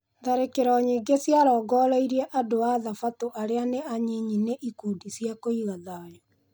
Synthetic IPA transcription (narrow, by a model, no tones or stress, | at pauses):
ðaɾekeɾɔɲiːɡesjaɾɔːɡɔːɾeiɾɛʔadoaðafatoʔaɾeaneaɲiɲineʔikudisjakoiɣaðajɔ